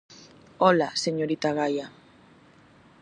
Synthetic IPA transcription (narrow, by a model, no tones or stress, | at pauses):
olaseɲoɾit̪aɣaja